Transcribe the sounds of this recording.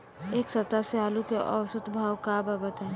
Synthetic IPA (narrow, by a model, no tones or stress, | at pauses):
eːksɐt̪aseɦaːlukeʔɔwsət̪bʱaːwkababət̪ɦɛ